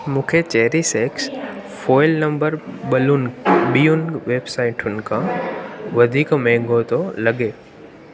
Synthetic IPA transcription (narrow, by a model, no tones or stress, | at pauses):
mũːkʰet͡ʃɛɦɾiseːksfɔːɪlnɐ̃mbəɾbɐlʊnbijʊnʋeːbsaːɪʈʊnkã | ʋɐd̪ʱiːkmɛ̃ːŋɡot̪olɐɡeː